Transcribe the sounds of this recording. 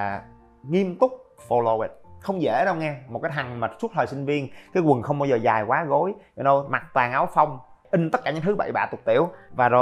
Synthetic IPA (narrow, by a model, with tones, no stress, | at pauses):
ŋi˧əmt̪ʊ˦˥k͡p̚fo˧lo˧wɛ˨˩t̚xə˧wŋ͡mzḛ˧˩ɗə˧wŋɛ˧mo˨˩kaː˨˦jt̪ʰa˨˩ŋ̟mə˨˩t̚su˦˥t̚t̪ʰwaː˨˩sï˧ŋ̟vi˧ənkaː˨˦jkwə˨˩nxə˧wŋ͡mɓaː˧wzəː˨˩zaː˨˩jkwaː˨˦ɣo˨˦jɔ˧˩ɗo˧wma˨˩t̚t̪waː˨˩ŋʔaː˨˦wfa˧wŋ͡mʔï˧ŋ̟t̪ə˦˥t̚kaː˧ɲɨ̰˧˥ŋt̪ʰɨ˨˦ɓa̰˧˩jɓa̰ː˧˩t̪ʊ˨˩ət̚t̪ḭ˧˩˨əwvaː˨˩zo˨˩